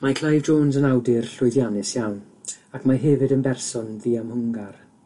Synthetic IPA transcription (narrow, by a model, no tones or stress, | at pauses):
makʰl̥ˠajvd͡ʒoːnsənawdɪrɬʊɨðjanɪsjawn | akʰmaɦɛvɨdənbɛrsɔnðiːamhʊŋɡar